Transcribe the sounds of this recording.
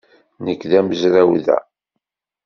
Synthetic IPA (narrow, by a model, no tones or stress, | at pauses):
nəkːðæməzɾæwðæ̰